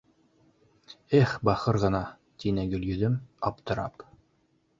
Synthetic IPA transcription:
æχbɑχɤɾʁɤ̆nɑ | t̪inæɡɵ̆ljɵ̆ðɘmɑpt̪ɤ̆ɾɑ̰p

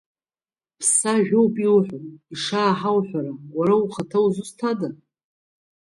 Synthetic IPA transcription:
pʰsaʒᶣowpʼilħʷᶣʊniʂaːħawħʷaɾaɡʷaɾauχatʰawzustʰada

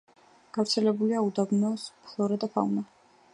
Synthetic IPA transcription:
ɡ̥avfɾt̪sʰɛlɛbuliaud̪abnɔspʰlˠɔɾɛd̪apʰa̰una

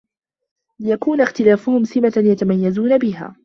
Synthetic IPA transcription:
lɪjakuːnaxt̪ɪlaːfʊhʊmsɪmajat̪amajːazuːnabɪɦa̰ː

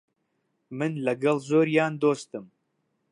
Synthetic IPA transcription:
mɨnlɐɡɐlˠzoːɾjaːnd̪oːst̪ɨm

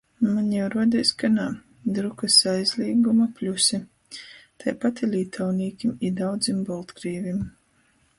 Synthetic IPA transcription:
maɲjɛwɾuɔd̪ijsʲkanaː | d̪ɾukasajzlʲiːɡumaplʲusi | t̪ʰajpat̪ilʲiːt̪ʰawniːkʲimid̪awd̪zimbɔlˠt̪ɡɾiːvʲim

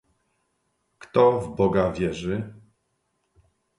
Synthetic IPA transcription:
kt̪ɔvbɔɡavʲjɛʐɘ

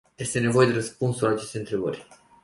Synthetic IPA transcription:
je̞st̪e̞ne̞vo̞je̞d̪e̞ɾəspunsulaːt͡ʃe̞st̪e̞ɨnt̪ɾe̞bə̰rʲ

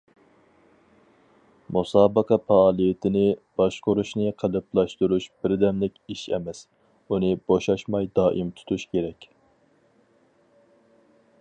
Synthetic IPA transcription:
musɑːbəqʰɑfɑɑːlˠijɛt̪ʰɪnɪb̥ɑʃqʰoɾuʃnɨqʰəlˠɨplˠɑʃt̪uɾuʃb̥ɪɾd̪ɛmlɪkʲiʃɛ̰mɛs | unɨboʃɑʃmɑjd̪ɑːʔimt̪ʰu̥t̪ʰuʃkʲʰeɾɛkʲ

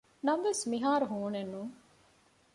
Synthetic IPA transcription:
nɐmʋesmiɦaːɾuɦuːnenːuŋ

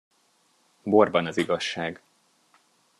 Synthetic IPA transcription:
bo̞rbɒnɒziɡɒʃːaːɡ

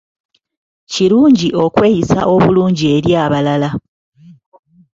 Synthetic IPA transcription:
ciɾuːɲɟiʔo̞kwe̞ːjisa̰ʔo̞βuluːɲɟie̞ɾjaːβalala

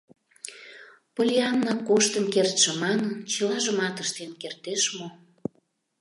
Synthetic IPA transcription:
polʲiɑnːɑkoʃt̪ənkert̪ʃĕmɑnənt͡ɕəlɑʒəmɑt̪əʃt̪enkert̪eʃmo

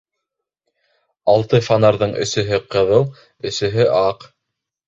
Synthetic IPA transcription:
ɑlˠt̪ɤfanaɾðɤɴʔɵ̰̆sɵ̆ɦɘqɤ̆ðɤlˠ | ɵ̆sɵ̆ɦɵʔɑq

